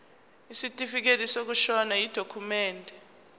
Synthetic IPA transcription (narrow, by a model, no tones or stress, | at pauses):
isitʼifik̬elisok̬uʃɔnajid̥ʱokʰumɛːndʱɛ